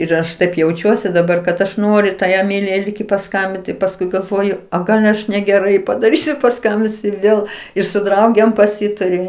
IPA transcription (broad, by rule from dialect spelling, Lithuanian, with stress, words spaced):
ɪr ˈɐʃ tɐɪp jɛʊˈt͡ʃʲuɔsʲɪ dɐˈbɐr kɐt ˈɐʃ ˈnoːrʲʊ tɐɪ ɛˈmʲɪlʲɪjɛɪ ˈlʲiːk ɪ pɐˈskɐmʲbʲɪnt pɐsˈkʊɪ ɡɐlˠˈʋoːjʊ ˈoː ˈɡɐlˠ ɐʃ nʲɛɡʲɛˈrɐɪ pɐdɐˈrʲiːsʲʊ pɐˈskɐmʲbʲɪnʲsʲʊ ɪr ˈʋʲeːlˠ ɪr sʊ ˈdrɐʊɡʲeːm pɐˈsʲɪtɐrʲʊ